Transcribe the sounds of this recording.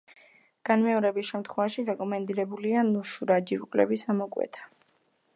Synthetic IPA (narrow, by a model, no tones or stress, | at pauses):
ɡ̥anmɛɔɾɛbisʃɛmt̪ʰχwɛvaʃiɾɛkʼɔmɛnd̪iɾɛbulianuʃuɾad͡ʒiɾkʼlɛ̰bisamɔkʼwɛ̰t̪ʰḁ